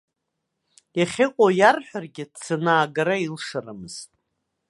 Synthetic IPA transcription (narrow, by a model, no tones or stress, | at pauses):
jaχʲɪqʷʼojarħʷᶣarɡʲɪdt͡sʰɨnaːɡaɾailʂaramɨz̥tʼ